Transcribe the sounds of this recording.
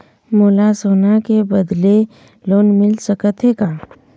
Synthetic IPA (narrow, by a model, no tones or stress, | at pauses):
moːlasoːnakebəd̪le | loːnmɪlsəkət̪ʰekaː